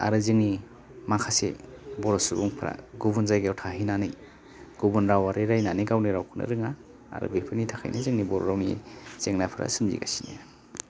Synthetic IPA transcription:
a̰ɾɯzɯŋni | makʰasḛbɔɾɔsubuŋpʰɾa̰ɡuβunzajɡeɔwtʰaɦinanɯj | ɡ̥ubunɾawaɾeɾajnaniɡawniɾawkʰuna̰ɾɯŋa | a̰ɾɯ̰bepʰɯnitʰakʰa̰jnazɯŋnibɔɾo̰ɾawnizeŋnapʰɯɾʔa̰sɯmzḭɡasine

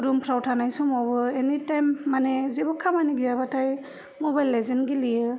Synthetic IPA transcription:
ɾumpʰɾawtʰanajsɔmɔbɯenitajmːanezebɔkʰːamaniɡiabatʰaj | mobajlːezenɡilijɯ

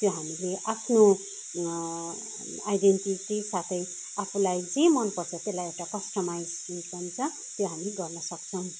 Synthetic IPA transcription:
t̪joɦamileʔapʰno | ajdenʈiʈisat̪ʰʌj | apʰulajd͡zemʌnpʌrt͡sʰʌt̪elːajewʈakʌsʈʌmajskikʌnt͡sʰʌ | t̪joɦamiɡʌrnʌsʌk̚t͡sʰʌw̃

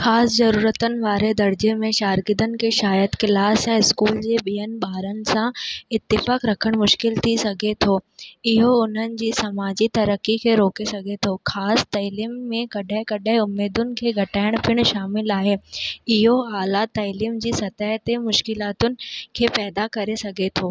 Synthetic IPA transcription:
xaːszɐɾuːɾət̪ənɪ̆ʋaːɾed̪ɐɾd͡ʑemẽʃaːɾɡɪd̪ənɪ̆kʰeːʃaːjəd̪kɪlaːsɛ̃ːɪskuːld͡ʑeːɓiɦənɪ̆ɓaːɾənɪ̆sãɪt̪ːɪfaːkɾɐkʰəɽ̃mʊʃkɪlt̪ʰisɐɡʱet̪ʰoːɪɦoʊn̤ənɪ̆d͡ʑiːsɐmaːd͡ʑit̪ɐɾəkːikʰeːɾoːkesɐɡʱet̪ʰoːxʰaːst̪ɐːliːmːẽkɐɗɦɪ̃kɐɗɦɪ̃ʊmːeːd̪ʊnɪ̆kʰeːɡʱɐʈaːɪɽ̃pʰɪɽ̃ʃaːmɪlaːɦeːɪɦoaːlat̪ɐːliːmd͡ʑiːsɐt̪əɦt̪emʊʃkɪlaːt̪ʊnɪ̆kʰeːpɛːd̪akɐɾesɐɡʱet̪ʰoː

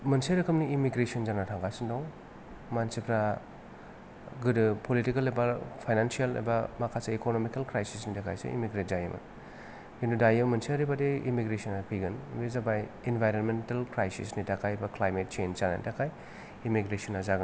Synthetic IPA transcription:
mɐnseɾɯkʰɯmniːmiɡɾesɔnzanatʰaŋɡasɯndɔŋ | mansipʰɾa | ɡɯdɯpolitikalebapʰajnansiala̰bɐmakʰasaekonomikalkɾajsisnidakʰajsɯ̰ḭmiɡɾet̚zajimʔa̰ | endudajmɐnsiaɾibadeimiɡɾesɔnapʰijɡɯnbezabaj | enbʱajɾonmentalkɾajsḭsnitakʰajbaklajmet̚t͡ʃenzana̰nḭtakʰaj | imiɡɾesɔnazaɡɯn

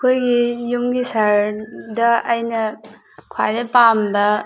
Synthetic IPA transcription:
kʰojɡijumɡisaɾdɐːjnɐ | kʰwa̰jdɐpamdɐ

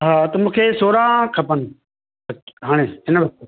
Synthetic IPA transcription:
ɦaːt̪ɐmũːkʰeːsoːɾãkʰɐpən | ɐkɦaːɽ̃eːɪnəʋɐs̚t̪e

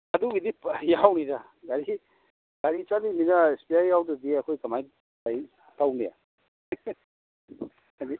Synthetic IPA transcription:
ɐduɡidipjawnida | ɡaɾi | ɡ̥aɾit͡ʃaniminaespiajawtɯdiɐkʰojkɐmaj | aj | tawnija̰ | ani

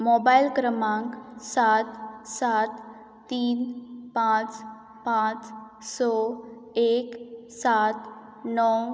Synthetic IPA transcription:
mɔbajlkɾəmãŋksat̪sat̪ː | iːnpãt͡s | pãt͡s | sɔ | eksat̪ | nɔw

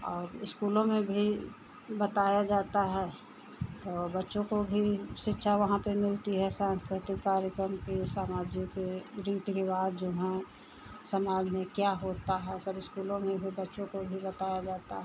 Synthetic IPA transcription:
ɔːɾɪskuːlõmẽbʱi | bɐt̪aːjad͡ʒaːt̪aɦɛ | t̪oːbɐtːʃõkobʱiʃɪtːʃʰaʋɐɦãpemɪlt̪iɦɛsãːnskɾɪt̪ɪkːaːɾjəkɾəmkisaːmaːd͡ʒjokeɾiːt̪ɾɪʋaːd̪d͡ʒoːɦɛ̃ | sɐmaːd͡ʒmẽkjaɦoːt̪aɦɛsɐbɪskuːlõmẽbʱibɐtːʃõkobʱibɐt̪aːjad͡ʒaːt̪a̰ɦɛ

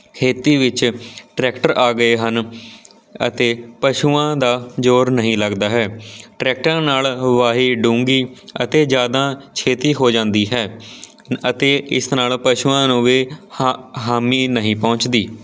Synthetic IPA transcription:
kʰeːt̪iːʋɪt͡ʃʈɾɛːkʈəɾaːɡəeːɦən | ə̰t̪eːpəʃuːãːd̪aːd͡ʒoːɾnəɦĩːləɡd̪aːɦɛːʈɾɛːk̚ʈɾãːnaːlʋaːɦiːɖũːŋɡiːə̰t̪eːd͡ʒjaːd̪aːt͡ʃʰeːt̪iːɦoːd͡ʒãːnd̪iːɦɛː | ət̪eːɪsnaːlpəʃuːãːnũːʋiː | ɦaːmiːnəɦĩːpɔ̃ːɲt͡ʃd̪iː

